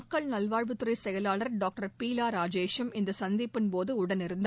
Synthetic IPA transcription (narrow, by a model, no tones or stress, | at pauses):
kːɐɭnɐlʋaːɻʋɯt̪ːɯɾɐɪsɛjɐlaːɭɐɾɖaːk̚ʈɐɾpiːlaːɾaːd͡ʒeːʃɯmɪnd̪ɐsɐnd̪ɪpːɪnpoːðɯʊɽɐnɪɾɯnd̪